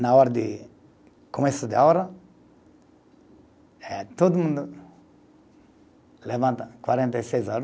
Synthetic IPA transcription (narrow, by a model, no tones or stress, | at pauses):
nɐɔɾɐd̪ɪ | komesud̪ɪaɾɐ | ɛt̪od̪umũnd̪ʊ | levɐ̃nt̪ɐkwaɾẽnt̪ɐjsejzɔɾ